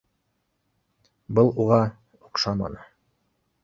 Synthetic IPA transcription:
bɤlˠuʁɑ | uqʃɑmɑ̰nɤ

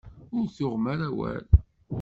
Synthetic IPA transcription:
ʊɾθʊʁmæɾæwæ̰l

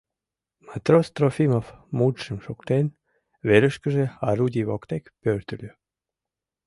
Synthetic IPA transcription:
mat̪rost̪ɾofimofmud̪ʃəmʃokt̪en | βeɾə̆ʃkə̆ʒeɑɾud̪ʲiβokt̪ekpørt̪ə̆lʲø

